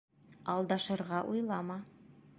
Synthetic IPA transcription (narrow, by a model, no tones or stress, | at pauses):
ɑlˠd̪ɑʃɤ̆ɾʁɑʔujlˠɑmɑ